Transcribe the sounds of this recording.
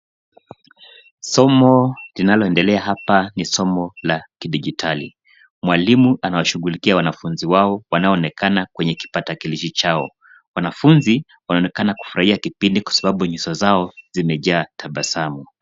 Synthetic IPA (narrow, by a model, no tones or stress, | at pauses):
sɔmɔlinalɔɛndɛlɛaɦapanisɔmɔlakiɗiʄitʰali | mwalimuʔanawaʃuɣulikiawanafunziwaɔwanaɔːnɛkʰanakwɛɲɛki̥patakiliʃit͡ʃaɔ̰ | wanafunzi | wanaɔnɛkanaku̥fuɾaiakipindikwḁsaɓaɓuɲisɔzaɔzimɛʄaːtʰaɓasamu